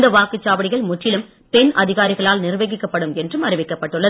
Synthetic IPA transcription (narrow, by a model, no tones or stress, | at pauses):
d̪ɐʋaːkɯt͡ʃːaːʋɐɽɪɣɐɭmʊʈːɪlɯm | pɛnʔɐðɪɣaːɾɪɣɐɭaːlnɪrʋeːɣɪkːɐpːɐɽɯmɛndrɯmɐrɪʋɪkːɐpːɐʈːɯɭːɐ